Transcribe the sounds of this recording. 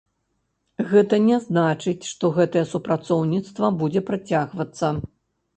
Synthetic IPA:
ɣɛt̪ɐnʲɛznat͡ʂɨt͡sʲʂt̪ɔɣɛt̪ɐjɛsupɾat̪sɔwnʲit̪st̪vɐbud͡zʲɛpɾat͡sʲaɣvɐt̪sːɐ

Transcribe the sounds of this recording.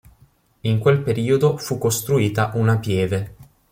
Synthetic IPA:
iŋkwelpeɾiːod̪ofukːost̪ɾuiːt̪aʔunapjɛːve

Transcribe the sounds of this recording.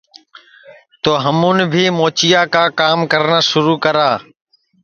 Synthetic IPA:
t̪oːɦəmũːnbʱiːmoːt͡ʃɪjaːkaːkaːmkəɾnaːʃʊɾuːkəɾaː

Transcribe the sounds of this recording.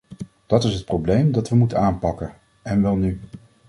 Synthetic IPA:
d̥ɑtɪsɦət̚prowblejmdɑtʋəmutənaːnpɑkən | ɛnʋɛlˠny

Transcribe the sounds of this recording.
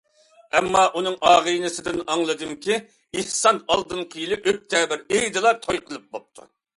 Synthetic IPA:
ɛmːɑʔunɨŋʔɑːʁɨjnɨsɪd̪ɪnɑŋlˠɨd̪ɨmkʲi | ihsɑnɑlˠd̪ɨnqʰəjilˠɨʔøk̚ʲt̪ʰɛːbɪɾejd̪ɨlˠɑt̪ʰojqʰəlˠɨp̚bop̚t̪ʰṵ

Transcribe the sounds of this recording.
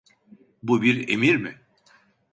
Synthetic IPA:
bubiɾḛmiɾmɪ

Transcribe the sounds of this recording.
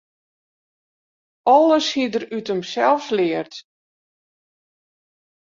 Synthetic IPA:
ɔlˠəshidərytəmsɛlˠfslɪərt

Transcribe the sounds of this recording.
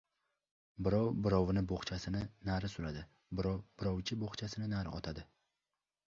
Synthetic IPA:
bɪɾɒwbɪɾɒwnɪboχt͡ʃʰasɪnɪnaɾɪsʊlad̪ɪ | bɪɾɒwbɪɾɒwt͡ʃʰɪboχt͡ʃʰasɪnɪnaɾɪ̰ɒ̰t̪ʰad̪ɪ

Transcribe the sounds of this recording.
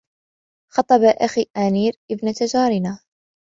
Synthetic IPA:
xɑt̪ˤːɑbaʔaxiːʔaniːɾʔɪbnat̪ad͡ʒaːɾɪnaː

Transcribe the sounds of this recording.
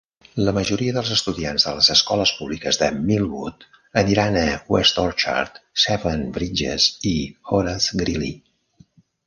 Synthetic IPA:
ləməʒuɾiəðəlˠzəst̪uðianzðələzəskɔləspuβlikəzðəmilˠβut̪ | əniɾanəwɛst̪ɔɾt͡ʃa̰ɾt̪sɛvənbɾid͡ʒḛzixoɾaθɡɾilḭ

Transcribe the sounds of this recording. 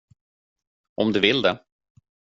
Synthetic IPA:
ʔɔmd̪ɵvɪld̪ɛ

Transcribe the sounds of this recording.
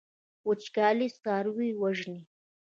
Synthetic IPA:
wʊt͡ʃkɑːlist̪ɑːɾwiwaʒni

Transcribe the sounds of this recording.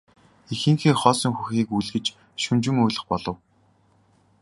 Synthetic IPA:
ixɘ̆ŋxeːχɔːsɞ̆ŋxuxiːkujɮɣɘ̆t͡ɕ | ʃunt͡ɕɪ̆moːɮə̆χpɔɮɞ̆w

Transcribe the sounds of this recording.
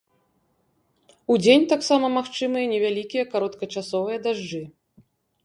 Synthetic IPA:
ud͡zʲenʲt̪aksamɐmaxt͡ʂɨmɨjɐnʲɛvʲalʲikʲijɐkaɾɔt̪kɐt͡ʂasɔvɨjɐd̪aʐd͡ʐɨ

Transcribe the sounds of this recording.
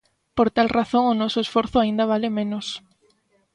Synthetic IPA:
poɾt̪alrʔaθoŋʊnɔsʊesfɔɾθʊaind̪ɐβalemẽnʊs

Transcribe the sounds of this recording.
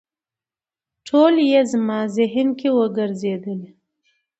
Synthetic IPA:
ʈʰoljezmɑzɪɦnkewəɡəɾzed̪əle

